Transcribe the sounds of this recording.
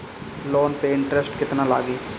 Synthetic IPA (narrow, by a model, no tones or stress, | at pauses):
loːnpeɪ̃ɳʈɾɛsʈkɪt̪nala̰ːɡiː